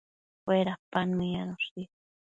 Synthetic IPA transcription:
eɾapanmijanosi

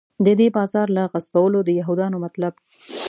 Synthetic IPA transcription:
d̪əd̪ebɑzɑɾlaɣazbawəlod̪əjaɦud̪ɑnomat̪lab

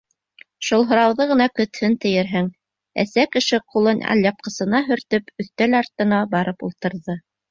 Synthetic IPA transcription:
ʃulˠɦŏɾɑwðɤʁɤ̆nɑkɵ̆t̪hɵnt̪ɘ̆jɘ̆ɾɦɘŋ | æ̰sækɘ̆ʃɘqulˠɤnæ̰lʲjɑp̚qɤ̆sɤ̆nɑɦɵ̆ɾt̪ɵpɵ̆θt̪ælɑɾt̪ɤ̆nɑbɑɾɤpṵlˠt̪ɤ̆ɾðɤ

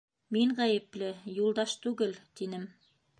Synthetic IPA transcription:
miŋʁæjɘ̆plɘjulˠd̪ɑʃt̪ʉɡɘlt̪inɘm

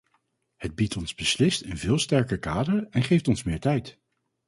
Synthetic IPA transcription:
həd̚bitʰɔnzbəslɪstɪnvɪːlˠstɛɹkəɹkaːdəɹɛnχejftɔnsmɪːɹtɛjt

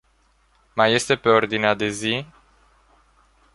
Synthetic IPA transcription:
maje̞st̪e̞pe̞o̞rd̪inead̪e̞zi

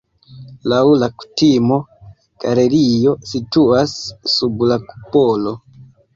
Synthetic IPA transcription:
lawlaku̥timo̞ | ɡ̥ale̞ɾijo̞situasːublaku̥polo̞

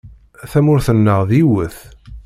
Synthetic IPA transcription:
θæmʊɾθənːəʁðiwəθ

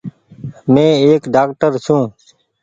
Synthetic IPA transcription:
mẽːeːkɖaːkʈəɾsũː

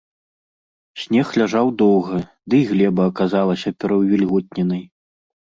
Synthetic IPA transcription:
sʲnʲɛxlʲaʐawd̪ɔwɣɐ | d̪ɨjɣlʲɛbɐːkazalˠɐsʲɐpʲɛɾɐwvʲilʲɣɔt̪̚ʲnʲɛnɐj

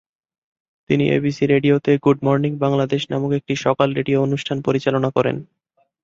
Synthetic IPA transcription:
t̪iniʔḛbisiɾeɖiot̪eɡuɖmɔɾniŋbaŋlad̪eʃnamukek̚ʈiʃɔkalɾeɖioonuʃʈʰanpoɾit͡ɕalonakɔɾḛn

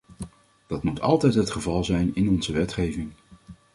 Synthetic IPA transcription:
d̥ɑtmutɑ̰lˠtɛjtɦətχəvɑlˠzɛjnɪnɔnzəʋɛtχejvɪŋ

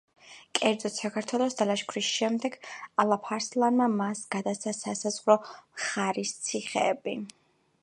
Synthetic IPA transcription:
kʼɛɾd̪zɔt̪ʰsakʰaɾt̪ʰwɛlˠɔsd̪alaʃkʰɾisʃɛmd̪ɛɡalˠapʰaɾslˠanmamasɡ̥ad̪asasasazʁɾɔmχaɾist̪sʰiχɛbi

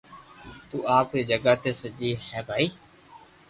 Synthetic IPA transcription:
t̪uːaːpɾiːd͡ʒəɡaːt̪eːsəd͡ʒiːhɛːbʱaːiː

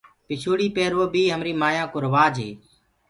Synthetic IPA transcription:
pɪt͡ʃʰuːɽiːpeːɾoːbiːɦəmɾiːmaːjãːkʊɾʋaːd͡ʒʱḛː

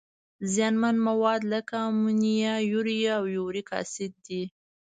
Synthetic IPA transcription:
zjɑnmanmawɑd̪ləkamunijajuɾjaːwjoɾikɑ̰sɪt̪̚d̪i

